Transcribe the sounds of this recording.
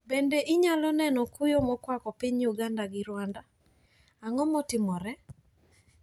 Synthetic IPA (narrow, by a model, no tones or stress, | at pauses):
bendeʔiɲalɔnɛnɔkujomɔkwakɔpɪɲuɡandaɡɪɾwanda | aŋɔmɔtɪmɔɾɛ